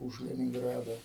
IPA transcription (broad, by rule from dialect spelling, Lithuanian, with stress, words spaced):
ʊʃ lʲɛnʲɪŋˈɡrɑːdɐ